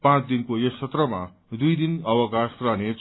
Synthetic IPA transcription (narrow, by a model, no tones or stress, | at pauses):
pãt͡sd̪inkoest͡sʰʌt̪rʌma̰ | d̪ujd̪inʌwʌkasrʌnet͡s